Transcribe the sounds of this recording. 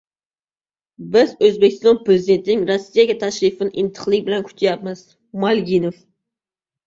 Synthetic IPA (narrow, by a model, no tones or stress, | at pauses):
bɪzɵzbekʲʰɪst̪ɒnpɾɪzid̪ent̪ʰɪnɪŋɾɔsːijaɡʲɛt̪ʰaʃɾɪfɪnɪʔɪnt̪ʰɨ̥qlˠɪkʲbɪlankʲʰy̥t͡ʃ̪ʰjap̚mɪz̥ | malɡʲinof